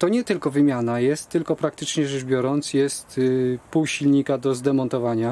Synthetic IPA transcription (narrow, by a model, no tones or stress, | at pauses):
t̪ɔɲɛt̪ɘlkɔvɘmʲjanajɛst̪ːɘlkɔpɾakt̪ɘt͡ʂɲɛʐɛʐbʲjɔɾɔnt̪sjɛst̪puwɕilɲikad̪ɔzd̪ɛmɔnt̪ɔvaɲa